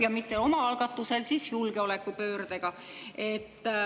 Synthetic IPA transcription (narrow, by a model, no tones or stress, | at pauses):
jɑmit̪ˑːeo̞mɑɑlɡ̥ɑt̪ːˑuse̞lsisjulɡ̥e̞o̞le̞kːˑupø̞ːrd̪̥eɡ̥ɑ | e̞t̪ː